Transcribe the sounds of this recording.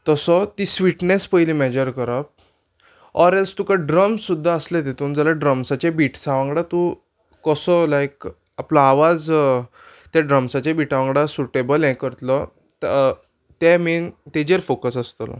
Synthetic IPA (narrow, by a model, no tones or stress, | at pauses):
t̪əsɔt̪isʋiʈnespəjlimɛd͡ʑəɾkəɾap̚ | ɔɾelst̪ũkaɖɾəmsud̪ʱːaəslet̪et̪uːnd͡zalaɖɾəmsat͡ɕebiʈsaʋãŋɡɽat̪u | kɔsɔlajk | aplaːʋad͡z | t̪aɖɾəmsat͡ɕabiʈaʋãŋɡɽasuʈebəlɛ̃kəɾt̪lɔ | t̪ | t̪ɛmint̪ed͡ʑeɾfokəsəst̪əlɔ̰